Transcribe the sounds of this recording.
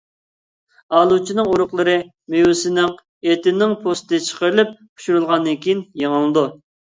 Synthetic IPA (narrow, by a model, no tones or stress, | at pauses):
ɑːlˠut͡ʃʰinɨŋuɾʊqlˠɨɾɨ | mewusɪnɪŋ | et̪ɪnɪŋpʰost̪ɨt͡ʃʰə̥qəɾɨlyp̚ːʰ | u̥ʃuɾulˠʁɑnːɨkʲijinjeŋəlˠɨd̪u